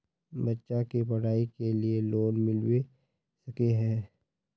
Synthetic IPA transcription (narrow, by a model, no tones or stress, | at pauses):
bɐtːʃakipɐɽ̤aːikelieloːnmɪlwe | sɐkeɦɛ̃ː